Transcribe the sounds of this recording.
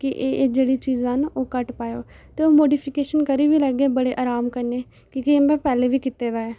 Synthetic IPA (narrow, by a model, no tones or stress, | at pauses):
kɪʔeːd͡ʒeːɽiːt͡ʃiːzãːnoːkəʈpaːjoː | t̪eːoːmoːɖiːpʰɪkeːʃənkəɾiːʋiːləɡeːbəɽeːʔaːɾaːmkəɾneː | kɪkeːmbɛ̃ːpɛːleːʋiːkɪt̪eːd̪aːɛː